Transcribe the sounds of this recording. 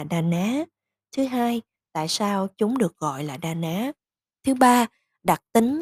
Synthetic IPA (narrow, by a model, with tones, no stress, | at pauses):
ɗaː˧˩naː˨˦ | t̪ʰɨ˨˦ɦaː˧j | t̪a̰ː˧˨jsaː˧wt͡ɕʊ˨˦ŋ͡mɗɨ˨˩ək̚ɣɔ̰˧˨jlaː˨˩ɗaː˧˩naː˨˦ | t̪ʰɨ˨˦ɓaː˧ | ɗa˨˩t̚t̪ï˨˦ŋ̟